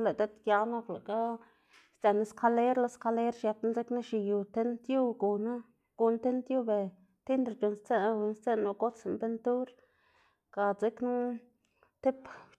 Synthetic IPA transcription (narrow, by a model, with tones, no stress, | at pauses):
le˨d̪e˦t̪ja˧na˦kla˨ka˦ | st̪a˨na˦skʰa˧le˦ɾla˧˦ska˧le˦ɾʃja˧pna˦ze˦kna˦ʃi˧ju˨t̪e˦nt̪ju˦ɡu˨na˦ | ɡ̥u˨n˦t̪e˦nt̪ju˦be˨ | t̪i˦nɾa˧t͡ʃu˨nst͡se˦na˧u˧˨nst͡se˦nːa˧ɡo˦t͡se˨mbe˧nt̪u˦ɾ | ka˧t͡se˦knu˦ | t̪e˦p